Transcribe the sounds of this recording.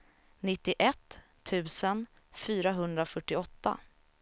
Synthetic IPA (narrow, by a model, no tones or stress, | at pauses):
nɪt̪ːɪʔɛt̪ʰː | ʉ̟ːsən | fyːɾaɦɵnd̪ɾafœʈːɪɔt̪ːa̰